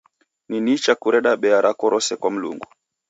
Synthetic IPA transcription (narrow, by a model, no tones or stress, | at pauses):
ninit͡ʃakuɾɛɗaɓɛaɾakɔɾɔsɛkwam̩lṵŋɡu